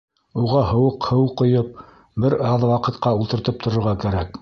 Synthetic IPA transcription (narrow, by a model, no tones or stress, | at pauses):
uʁɑhɤ̆wɤqhɤ̆wqːŏjɤp̚ | bɘɾɑðwɑqɤ̆t̪qɑulˠt̪ɤ̆ɾt̪ɤp̚t̪ʰŏɾŏɾʁɑkæɾæk